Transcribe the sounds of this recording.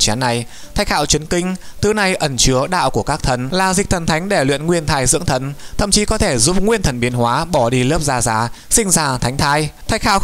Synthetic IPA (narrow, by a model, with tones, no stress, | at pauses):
t͡ɕa˨˦nːa˨˩j | t̪ʰa˨˦jk̟ha̰ː˧˨wt͡ɕi˨˦ənkï˧ŋ̟t̪ɨ˨˦na˧˩jʔə˨˩nt͡ɕɨ˨˦əɗa̰ː˧˨wku˧˩əkaː˦˥k̚t̪ʰə˨˩nlaː˨˩zï˨˩k̚t̪ʰə˨˩nt̪ʰa˨˦jŋ̟ɗe˧˩lwḭ˧˨ənŋwi˧ənt̪ʰaː˧jzɨ̰˧˥əŋt̪ʰə˨˩nt̪ʰə˧˨mt͡ɕi˨˦kɔ˨˦t̪ʰe˧˩zu˦˥p̚ŋwi˧ənt̪ʰə˨˩nɓi˨˦ənhwaː˨˦ɓɔ˧˩ɗi˧ləː˦˥p̚zaː˧za̰ː˨˦sï˧ŋ̟zaː˧˩t̪ʰa˨˦jŋ̟t̪ʰaː˧jt̪ʰa˨˦jk̟xa̰ː˧˨w